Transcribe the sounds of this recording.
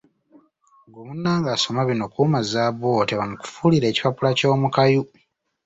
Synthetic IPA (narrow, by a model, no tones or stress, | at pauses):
ɡumunːaːŋɡaso̞maβino̞kumazaβo̞ːteβamuku̥fuliɾe̞ːci̥papulaco̞ːmukaju